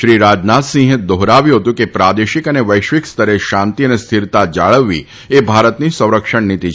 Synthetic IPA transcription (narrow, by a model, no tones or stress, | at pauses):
ʃɾiːɾaːd͡ʒnaːt̪sĩːɦɪt̪̚d̪oɦɾaːʋijoːt̪ukepɾaːd̪eːʃɪkɐneʋɐɪʃʋɪkst̪ʰɐɾeʃãːnt̪iɐnest̪ʰɪɾt̪ad͡ʒaːɭəʋːḭ | ebʱaːɾət̪nisɐ̃w̃ɾəkʃəɽnit̪iː